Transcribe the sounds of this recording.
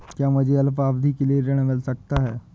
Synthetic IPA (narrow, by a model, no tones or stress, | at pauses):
kjaməd͡ʑiəlp̬abd̪ʱiːkileɾeɳ̃melsək̚t̪aɦɛ